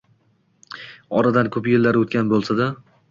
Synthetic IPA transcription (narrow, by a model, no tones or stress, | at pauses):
ɒɾad̪ankʰɵpjelːaɾot̪̚kʲʰanbolˠsad̪a